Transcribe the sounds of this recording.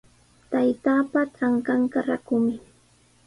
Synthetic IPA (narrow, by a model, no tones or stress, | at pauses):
t̪ajt̪aːpat͡saŋkaŋkaɾakʊmɪ